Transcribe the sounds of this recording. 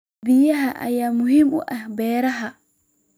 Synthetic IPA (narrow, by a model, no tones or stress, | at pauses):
bijaɦaʔa̰jamuhimṵʔabɛɾaɦa